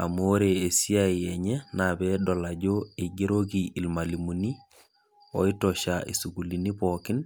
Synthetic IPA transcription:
a̰moɾeesiaiɛɲɛnabɛdɔlaɟoeɡeɾoɡiilmalimuni | o̰itɔʃaʔḭsuɡulinipɔkɪn

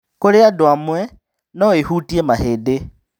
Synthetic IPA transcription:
koleadwamwe | nɔihutiemahede

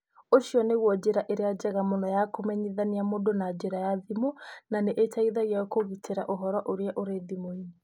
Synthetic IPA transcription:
oʃiɔneɣwɔd͡ʒeɾaʔeɾead͡ʒɛɣamonɔjakomɛɲiðaniamodonad͡ʒeɾajaðimonaneʔetaiðaɣjaɔkoɣitʰeɾaʔoɦɔɾwɔʔoɾeaʔoɾeðimoiɲe

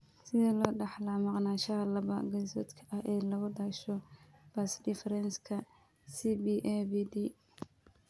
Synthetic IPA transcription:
sɪðɐlɔːɖɑħlɐmɑqnaːʃɐɦɐlɐβɐɡɐsɔ̰ːt̪kʰɐ̥ʔɐhɛːlɐɣʊd̪aːʃɔb̥ɐsd̪ɪfɾɛnskʰɐ | sibiʔɛbid̪i

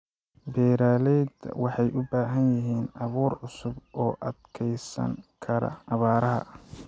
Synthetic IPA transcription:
bɛːɾaːlɛjd̪wɑħɑjʔʊbaːɦɐnjɪɦiːnɑβuːrʕʊsʊbʔɔːʔɐd̪kʰɛjsɐ̰ŋkʰɐɾɐ̰ʔɑβaːɾɐɦɐ̰

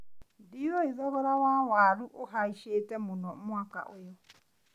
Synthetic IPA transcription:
dioiðɔβɔɾawawaɾuʔoɦaiʃetɛmʊnɔmwaka̰ʔojɔ

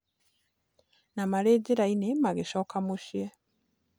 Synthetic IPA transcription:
namaleːɟeɾainemaɣeʃoːkamuʃje

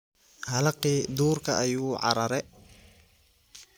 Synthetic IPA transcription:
hɐlɐqiːd̪uːrkʰɐʔɐjuːʕɑ̰ɾɐɾɛ

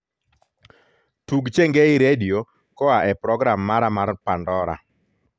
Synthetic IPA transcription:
tuɡt͡ʃeŋɡeiɾedio | kɔaʔɛpɾɔɡɾamːaɾamarpandɔɾa̰

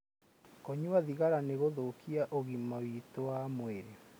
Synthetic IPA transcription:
koɲuaðiɣaɾaneɣoðokiaʔoɣimawitowamweɾe

